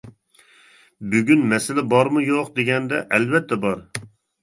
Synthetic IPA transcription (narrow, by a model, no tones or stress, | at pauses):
byɡʲynmɛsɪlɛbɑɾmujoqd̪eɡʲɛnd̪ɛ̰ʔɛlvɛt̪ʰːɛbɑɾ